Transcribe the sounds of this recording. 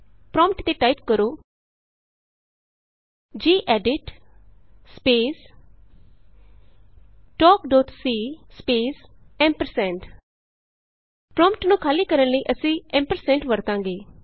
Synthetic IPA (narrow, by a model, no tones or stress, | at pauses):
pɾɔ̃ːmpʈt̪eːʈaːipkəɾoː | d͡ʒiːʔɛːɖɪʈ | speːs | ʈɔːkɖɔːt̪siːspeːsɛ̃ːmpəɾsɛ̃ːɳʈ | pɾɔ̃ːmpʈnũːkʰaːliːkəɾənləiːʔəsĩːɛ̃ːmpəɾsɛ̃ːɳʈʋəɾt̪ãːŋɡeː